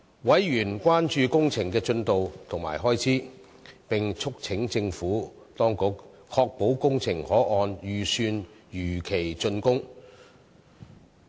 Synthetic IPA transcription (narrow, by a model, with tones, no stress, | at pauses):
wɐ˨˥jjyː˨˩nkʷwaː˥nt͡ʃyː˧kʊ˥ŋt͡sʰɪ˨˩ŋkɛː˧t͡sɵ˧nt̪o˨wt̪ʰʊ˨˩ŋma̰ː˨˩jɦɔː˥jt͡sʰiː˨˥ | pɪ˨ŋt͡sʰʊ˥k̚t͡sʰɪ˨˥ŋt͡sɪ˧ŋfuː˨˥ | t̪ɔː˥ŋkʊ˨˥k | kʰɔː˧k̚po˨˥wkʊ˥ŋt͡sʰɪ˨˩ŋhɔː˨˥ʔɔː˨˧njyː˨˩syː˧njyː˨˩kʰe˨˩jt͡sɵ˧nkʊ˥ŋ